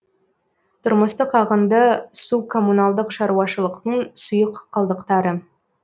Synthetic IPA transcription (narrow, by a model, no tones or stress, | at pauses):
t̪ʰʊɾməst̪əqʰɑʁənd̪ɑsukʰo̞mːunalˠd̪əqʃɑɾuwɑʃəlˠəqt̪əɴsʊjəqːʰəlˠd̪əqt̪ɑɾə